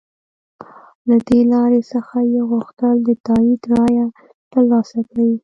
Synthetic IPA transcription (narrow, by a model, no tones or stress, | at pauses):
lad̪elɑɾesəxajeɣuxt̪əld̪ət̪ɑid̪ɾɑja | t̪əɾlɑsakawi